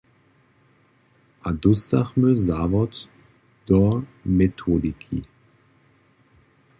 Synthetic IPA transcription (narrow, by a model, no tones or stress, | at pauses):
ʔadʊstaχmøzaːvɔt | d̥ɔmetʰodikʰḭ